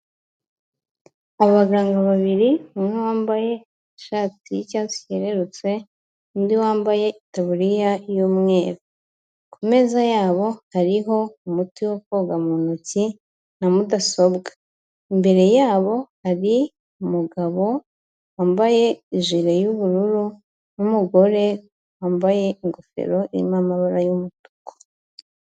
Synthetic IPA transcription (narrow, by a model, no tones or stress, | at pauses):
aβaɡaːŋɡaβaβiɾiumŋewaːmbaje̞ | iʃaːtijicaːsi̥ceɾe̞ɾut͡swe̞ | undiwaːmbaje̞itaβuɾijajuːmŋe̞ːɾo | kume̞ːzajaːβo̞haɾiɦo̞umutiwokoɡamunuci | namudaso̞bɡa | imbe̞ɾe̞jaːβo̞haɾi | umuɡaβo̞ | waːmbaje̞iʒiɾejuβuɾuɾu | numuɡo̞ɾe̞ | waːmbaje̞iŋɡofe̞̰ɾo̞iɾḭmamaβaɾajumutu̥ko̥